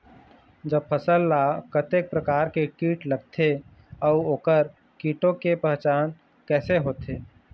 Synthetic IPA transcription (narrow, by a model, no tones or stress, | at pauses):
d͡ʒəbpʰəsəlːakət̪eːk̚pɾəkaːɾkekiːʈləɡ̚t̪ʰe | ɔʊoːkəɾ | kiːʈõkepɛɦt͡ʃaːn | kɛːseɦoːt̪eː